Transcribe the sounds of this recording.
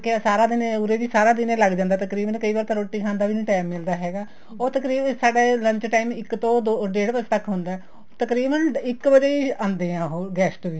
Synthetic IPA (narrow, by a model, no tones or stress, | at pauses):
kesaːɾaːd̪ɪnẽʊɾeːd͡ʒiːsaːɾãːd̪ɪnẽːləɡd͡ʒãːnd̪aːt̪əkɾiːbənkəiːbaːɾt̪aːɾoːʈːiːkʰãːnd̪aːʋiːĩːʈaːmːɪld̪aːɦɛːɡaː | oːt̪əkɾiːbsaːɖeːlə̃ɲt͡ʃʈaːimɪkt̪õːd̪oːɖeːɽpət͡ʃt̪əkːɦʊ̃nd̪aːɛ | t̪əkɾiːbənɪkbəd͡ʒeːiːãːnd̪eːãːɦoːɡɛːsʈoʋiː